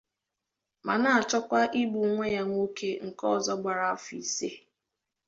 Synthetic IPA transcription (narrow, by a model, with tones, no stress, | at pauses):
ma̰˨na˨a˨t͡ʃɔ˦kʷa˦ʔi˦ɡ͡bu˨ŋʷe˦ja˦ŋʷ˦o˦kʰe˦ŋ̩˨kɔ˦˨zɔ˦ɡ͡ba˨ɾa˨˦fḭ˨se˦